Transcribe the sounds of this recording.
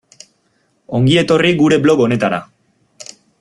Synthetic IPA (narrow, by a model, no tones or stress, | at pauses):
o̞ŋɡie̞t̪o̞riɡuɾe̞blo̞ɣo̞ne̞t̪aɾa̰